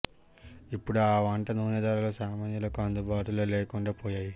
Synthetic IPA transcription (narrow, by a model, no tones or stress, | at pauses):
ipːuɽuaːʋɐɳʈɐnuːnɐd̪aːɾɐloːsaːmaːnjɐlɐkuɐnd̪ubaːʈuloːleːkuɳɖaːpoːjaːji